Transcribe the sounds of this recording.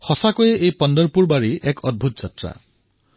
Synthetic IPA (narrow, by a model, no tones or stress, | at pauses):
hɔsakɔjeʔejpɔnd̪ɔɾpuɾbaɾiekɔd̪̚bʱut̪ɔd͡ʒat̪ɾa̰